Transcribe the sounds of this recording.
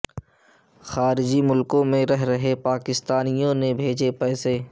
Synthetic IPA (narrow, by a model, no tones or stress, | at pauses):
xaːɾɪd͡ʒimʊlkõmẽɾɛɦɾɐɦepaːkɪst̪aːnijõnebʱeːd͡ʒepɛːseː